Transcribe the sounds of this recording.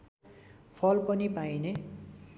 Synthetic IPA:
pʰʌlpʌnipajne

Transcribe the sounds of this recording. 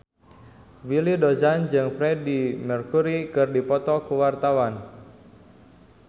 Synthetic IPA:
wilidozand͡ʒɨŋfɾɛdimərkuɾikɨrdipɔt̪ɔkuwart̪awan

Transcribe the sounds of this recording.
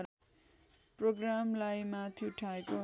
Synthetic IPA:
proɡramlajmat̪ʰiuʈʰaeko

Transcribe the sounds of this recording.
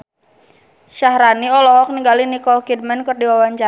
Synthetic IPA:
ʃahɾaniɔlɔɦɔk̚niŋɡalinikɔlkid̚mɛnkɨrdiwawaɲt͡ʃa

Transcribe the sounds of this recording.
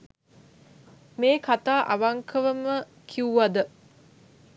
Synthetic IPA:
meːkat̪aːʔaʋaŋkʰəʋəmə | kʰiuʋad̪ə

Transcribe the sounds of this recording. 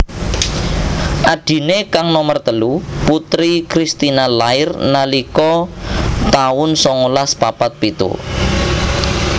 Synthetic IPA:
ʔaɖ̥i̤nekaŋnɔmərt̪əluput̪ɾikɾist̪inalaɪrnalikɔ | t̪aʊnsɔŋulaspapat̪̚pit̪ṵ

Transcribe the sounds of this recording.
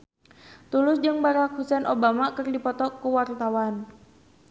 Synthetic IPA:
t̪ulʊsd͡ʒɨŋbaɾakhusɛnʔobamakərdipɔt̪ɔkuwart̪awan

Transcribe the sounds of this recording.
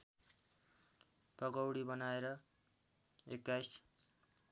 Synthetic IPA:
pʌɡʌwɽibʌnaeɾʌ | ḛkːajs

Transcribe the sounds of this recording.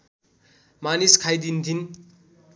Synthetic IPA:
maniskʰajd̪ind̪ʰin

